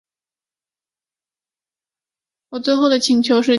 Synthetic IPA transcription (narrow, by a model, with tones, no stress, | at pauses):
wɔ˨˩t͡swe˥˧ɪxo˥˩ʊd̪ə˩t͡ɕʰi˧˥ŋt͡ɕʰjo˧˥ʊʂ̬ɻ̩˥˧